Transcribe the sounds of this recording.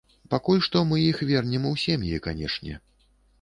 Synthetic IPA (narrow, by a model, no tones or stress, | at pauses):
pakulʲʂt̪ɔmɨjixvʲɛrnʲɛmuwsʲɛmjikanʲɛ̰ʂnʲɛ̰